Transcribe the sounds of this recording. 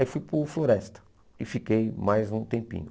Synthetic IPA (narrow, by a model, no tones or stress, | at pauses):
ifujpʊfloɾɛst̪ɐ̥ | ɪfikejmajzũt̪ẽmpḭ̃ɲʊ